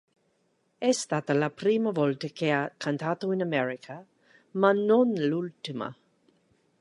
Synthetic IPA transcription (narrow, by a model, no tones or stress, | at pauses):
ɛst̪at̪alapɾiːmavɔlt̪əkʰeakʰant̪ʰaːt̪oɪnamɛɾikʰa | manonlult̪ima̰